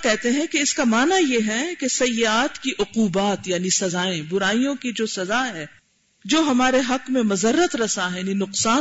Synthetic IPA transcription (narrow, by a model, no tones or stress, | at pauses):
kɛɦt̪eɦɛ̃keɪskamaːnajeɦɛ̃kesɐjːaːt̪kiʔʊquːbaːt̪jaːnisɐzaːẽbʊɾaːijõkid͡ʒoːsɐzaɦɛː | d͡ʒoːɦɐmaːɾeɦɐqmẽmɐzərːət̪ɾɐsaɦɛninʊqsaː